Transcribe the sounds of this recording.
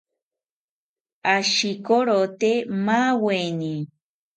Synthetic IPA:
aʃikoɾot̪emaweni

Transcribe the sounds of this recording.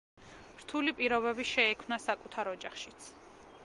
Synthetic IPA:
ɾt̪ʰulipʼiɾɔβɛbiʃɛɛkʰmnasakʼut̪ʰaɾɔd͡ʒaχʃi̥t̪sʰ

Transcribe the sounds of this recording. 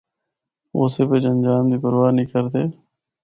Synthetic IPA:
oːseːpeːd͡ʒənd͡ʒaːmd̪iːpəɾʋaːnĩːkəɾt̪eː

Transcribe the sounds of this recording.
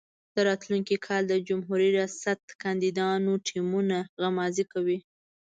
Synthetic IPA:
d̪̥əɾɑt̪luŋkikʰɑld̪əd͡ʒʊmɦuɾiɾjɑsat̪kɑnd̪id̪ɑnoʈʰimunaɣamɑzikawi

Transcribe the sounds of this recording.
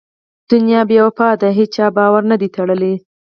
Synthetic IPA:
d̪̥ʊnjɑbjawapɑd̪aɦet͡ʃɑbɑwaɾnad̪it̪aɽəli

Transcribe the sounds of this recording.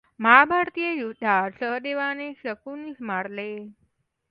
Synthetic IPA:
mabʱaɾt̪ijejud̪ʱaɾsəɦd̪eʋaneʃəkunismaɽle

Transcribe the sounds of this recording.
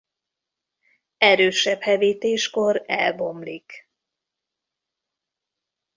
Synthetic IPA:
ɛɾøːʃɛphɛviːt̪eːʃkoɾɛ̰lbo̞mlik

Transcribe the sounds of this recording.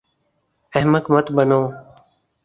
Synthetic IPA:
əɦməkmət̪bənoː

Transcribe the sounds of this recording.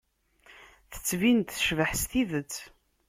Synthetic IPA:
θə̥t͡sːvint̪θʃvəħst̪iðət͡sː

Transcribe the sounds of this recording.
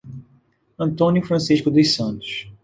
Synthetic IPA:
ɐ̃nt̪õnjʊfɾɐ̃siʃkʊd̪ʊsɐ̃nt̪ʊ̥ʃ

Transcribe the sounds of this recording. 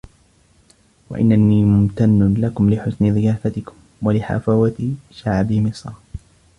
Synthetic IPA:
wa̰ʔɪ̰nːaniːmʊmt̪anːʊlakʊmlɪħʊsnɪðɪjaːfat̪ɪkʊ̥m | walɪħa̰faːwat̪ʃaʕbɪmɪsˤɾ

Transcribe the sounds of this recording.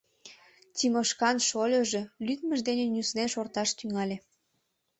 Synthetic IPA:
t̪ʲimoʃkɑnʃolʲŏʒĕlyt̪mə̆ʒd̪enenʲusnenʃort̪ɑʃt̪yŋɑlʲe

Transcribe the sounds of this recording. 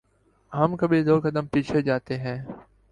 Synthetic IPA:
ɦəmkəbid̪oːkəd̪əmpiːt͡ʃʰed͡ʒaːt̪eɦɛ̃ː

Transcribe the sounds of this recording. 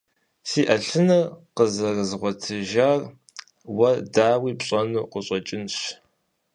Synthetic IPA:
siːʔɐɬɨnɐrqəzɐrɨzʁʷɔtʰɨʒar | wɐdaːwiːpɕʼɐnuːqʷʊɕʼɔt͡ʃʼɪnɕ

